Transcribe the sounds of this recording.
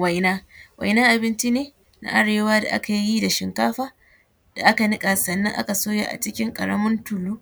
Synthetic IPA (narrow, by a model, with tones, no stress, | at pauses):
wa˨jnaː˦wʔa̰˨jnaː˦ʔa˨bɪ˦nt͡ʃi˦neː˦ | na̰˦ʔa˦ɽeː˨waː˦da̰˨ʔa̰˦ka˨jji˦da˨ʃɪ˨ŋkaː˦ɸaː˦ | d̥a˨ʔa˦ka˨nɪ˦kʼa˨sɐ˨nːɐ˦ŋʔa̰˦ka˨soː˦ja̰˦˨ʔa̰˨t͡ʃɪ˦kʲɪ˦ŋkʼɐ̰˨ɽɐ̰˦mʊ˦ntʊ˨luː˦